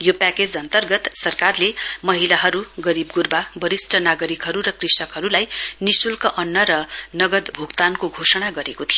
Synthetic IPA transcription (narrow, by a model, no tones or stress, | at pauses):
jopaked͡zʌnt̪ʌrɡʌt̪sʌrkarlemʌɦilaɦʌɾuɡʌɾibɡurbabʌɾisʈʰʌnaɡʌɾikɦʌɾuɾʌkrisʌkɦʌɾulajnisulkʌʔʌnːʌɾʌnʌɡʌd̪bʱuɡt̪ankoɡʱosʌɽ̃aɡʌɾekot̪ʰijo